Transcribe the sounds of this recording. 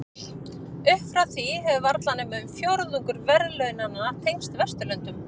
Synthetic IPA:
ʏhfɾawθiɦɛvʏvaɾt̪lanɛmɛmfjoɾðuŋkʏɾvɛɾðlœɥnanːaːt̪ʰejnst̪vɛst̪ʏlœnt̪ʏm

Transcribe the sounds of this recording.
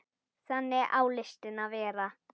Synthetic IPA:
sanɛʔaulɛʃtɛnaβɛːɾa

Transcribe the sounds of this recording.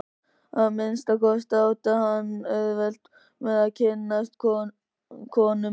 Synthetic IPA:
aðmɪnst̪akɔst̪awt̪ahanœðvɛlt̪ | mɛðaðcʰɪnːast̪̚kʰɔ | kʰɔːnʏ

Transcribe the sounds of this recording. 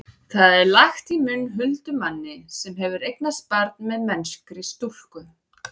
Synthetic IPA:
θaðɛɾlaxt̪imʏnːɦʏlt̪ʏmanːɪsɛmɦɛvʏɾejknaspaɾt̪nmɛðmɛnskɾist̪ul̥kʏ

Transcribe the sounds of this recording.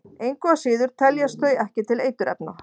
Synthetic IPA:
ejŋkɔasiːðʏɾ̥t̪ʰɛljast̪œːɥjɛhcɪt̪ʰɪlejt̪ʏɾɛ̰pna

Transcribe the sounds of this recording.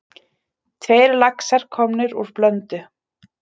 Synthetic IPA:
t̪ʰveːjɾlaksaɾ̥kʰɔmnɪɾuɾ̥plœnt̪ʏ

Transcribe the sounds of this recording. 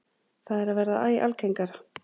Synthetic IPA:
θaðɛɾaðvɛɾðaaːja̰lkʰejŋkaɾ

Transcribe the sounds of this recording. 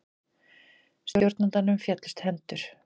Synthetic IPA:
sjowɾt̪nant̪anʏmfjɛt̪lɪ̥st̪hɛnt̪ʏɾ̥

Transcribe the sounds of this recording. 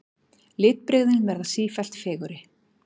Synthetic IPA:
lɪːt̪̚pɾɪɣðɪnvɛɾðasiːfɛl̥t̪fɛːɣʏɾɪ

